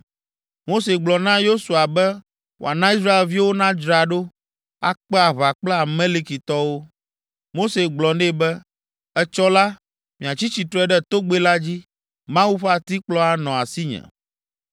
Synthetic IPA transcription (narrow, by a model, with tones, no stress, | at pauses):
mo˦se˨ɡ͡blɔ˨nã˦jo˦su˨a˨bɛ˦ | wo̰˨a˨nã˦i˦s̬ɾa˦e˨lvi˦wo˦nã˦d͡ʒɾa˨ɖo˦ | a̰˦˨k͡pɛ˦a˨βa˨k͡plɛ˦a˨mẽ˦li˦ki˨t̪ɔ˦wo˦ | mo˦se˨ɡ͡blɔ˨nɛ˦˨bɛ˦ | ɛ˦t͡ʃɔ˦la˦ | mĩ˨a˨t͡ɕi˦t͡ɕi˨t̪ɾɛ˦ɖɛ˦t̪o˦ɡ͡be˦la˦d͡ʑi˦ | mã˦wu˦ɸa˨t̪i˦k͡plɔ˦a˨nɔ̃˨a˨si˦ɲɛ̰̃˨